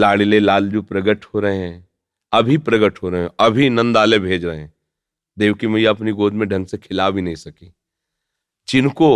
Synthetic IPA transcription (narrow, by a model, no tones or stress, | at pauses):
laːɽilelaːld͡ʒupɾɐɡəʈhoɾɐɦeɦɛ̃ | ɐbʱipɾɐɡəʈɦoɾɐɦeɛ̃ɐbʱinɐ̃nd̪aːlebʱeːd͡ʒɾɐɦẽɦɛ̃ | d̪eːʋkimejaɐpniɡoːd̪mẽɖʱɐ̃ŋɡsekʰɪlaːwbʱinɐɦĩsɐkiː | t͡ʃɪnko